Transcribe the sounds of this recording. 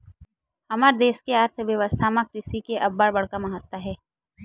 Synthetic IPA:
hɐmaːɾd̪eːʃkeaːɾt̪ʰʋjɐʋəst̪ʰamãkɾɪʃikeʔɐbːaɽbɐɽkamɐɦət̪waɦɛː

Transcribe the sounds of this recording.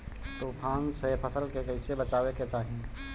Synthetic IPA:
t̪opʰãːnsepʰəsəlkekəɪsebət͡ʃaːbeket͡ʃaːɦi

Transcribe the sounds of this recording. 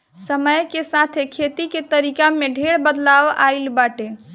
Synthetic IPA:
səməjkesat̪ʰekʰet̪iket̪əɾikameɖʱeɽbəd̪laʋa̰ilbaʈe

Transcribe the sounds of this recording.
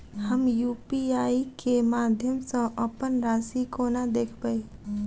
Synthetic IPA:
həmjuːpiaːikemaːd̪ʱjəmsə̃ʔəpənɾaːsikonad̪eːkʰbae

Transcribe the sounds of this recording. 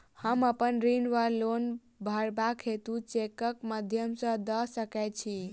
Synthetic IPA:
həməpənɾinʋalon | bʱəɾbakʰɦet̪ũt͡ʃekəkməd̪ʱjəmsə̃d̪əsəket͡ʃʰi

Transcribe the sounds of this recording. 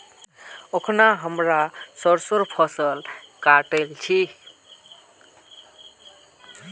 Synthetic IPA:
okʰnaɦəmɾasəɾsoɾpʰəsəlkaʈəlt͡ʃʰi

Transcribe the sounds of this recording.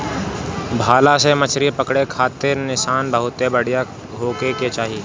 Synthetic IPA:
bʱaːlasemɐt͡ʃʰɾipɐkɽekʰaːt̪ɪɾnɪʃaːnbəɦʊt̪ebəɽ̤ija | ɦoːkeket͡ʃaːɦi

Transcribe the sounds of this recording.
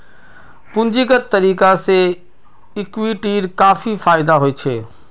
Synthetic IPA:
pʊ̃ɲd͡ʒiɡət̪ːɐɾiːkase | ɪkʋiʈiːɾkaːfifaːɪd̪aɦoet͡ʃʰeː

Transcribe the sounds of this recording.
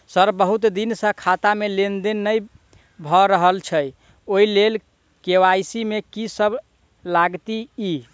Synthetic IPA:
səɾbəɦut̪d̪insə̃kʰat̪amelend̪enːəj | bʱɔɾəɦəlt͡ʃʰəj | oilel | kewajsimekisəb | laɡt̪ii

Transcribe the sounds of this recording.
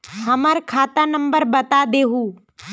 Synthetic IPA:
həməɾkʰaːt̪anə̃mbəɾbət̪ad̪eːɦuː

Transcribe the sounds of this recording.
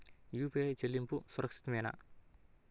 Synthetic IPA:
juped͡ʒəlimpusuɾɐksi̥t̪mena̰ʔ

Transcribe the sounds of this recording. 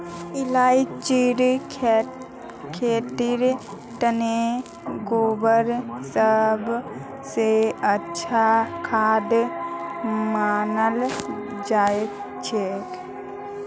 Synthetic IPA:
ilait͡ʃiɾ | kʰet̪iɾ | ʈəne | ɡobəɾsəbʱ | seətːt͡ʃʰakʰaːd̪ | manəld͡ʒaek | t͡ʃʰek

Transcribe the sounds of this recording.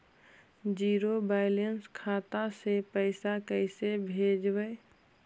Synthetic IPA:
d͡ʒiːɾobaːɪlenskʰaːt̪asepəɪsakəɪsebʱed͡ʒbəj

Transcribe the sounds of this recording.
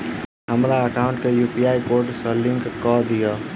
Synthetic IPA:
ɦəmɾaəkaʊɳʈkejupijajkoɾʈsəliŋkkɔd̪ijo

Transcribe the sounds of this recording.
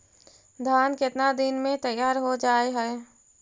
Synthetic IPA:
d̪ʱaːnkɪt̪nad̪ɪnmẽt̪əjaːɾɦod͡ʒaːeɦɛː

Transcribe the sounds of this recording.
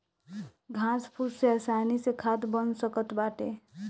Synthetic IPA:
ɡʱãspʰuɾseasanisekʰat̪bənsəkət̪baʈe

